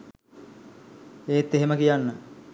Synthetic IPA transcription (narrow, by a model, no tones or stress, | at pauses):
eːt̪ːeɦeməkijanːə